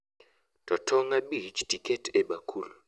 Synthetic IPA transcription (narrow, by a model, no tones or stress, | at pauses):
tʰʼɔtʰɔŋaɓit͡ʃtʰʼikʰʼɛtʰɛɓakʰuːlu